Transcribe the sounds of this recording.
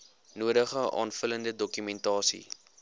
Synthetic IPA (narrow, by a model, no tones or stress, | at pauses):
nuədəχəʔɑ̰ːnfələndədɔkymɛntɑːsḭ